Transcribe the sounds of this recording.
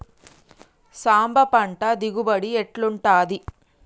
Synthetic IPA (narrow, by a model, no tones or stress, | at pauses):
saːmbɐpɐɳʈɐd̪iɡubɐɽieʈluɳʈaːd̪i